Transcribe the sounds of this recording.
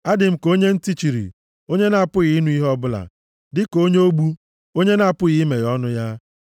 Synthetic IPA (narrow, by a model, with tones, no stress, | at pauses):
a˦dɪ˨m̩˦ko˦ɲe˦n̩˦ti˦t͡ʃi˨ɾḭ˨ | o˦ɲe˦na˨pʊ˦ɣi˨˦nu˦i˦ɦɔ˦bʊ˦la̰˨ | dɪ˦ko˦ɲe˦o˦ɡ͡bu˦ | o˦ɲe˦na˦˨pʊ˦ɣi˦me˨ɣɔ˦nʊ˦ja˦